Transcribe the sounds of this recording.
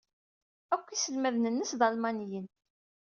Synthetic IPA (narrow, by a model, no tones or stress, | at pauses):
ækʷːisəlmæðnənːəsd̪ɑlmɑnjən